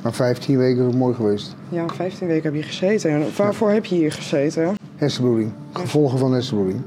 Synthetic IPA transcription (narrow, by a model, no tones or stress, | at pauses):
mafɛjftʰinʋejkənɪsokmoːjχəʋejst | jafɛjftinʋejkəɦɛpjəχə̥sejtənʋaːɹvoːɹɦɛpjəjəχəzejtə | hɛsəbuɹiŋ | χəv̥ɔlˠχəvɑnɦɛsəbuɹiŋ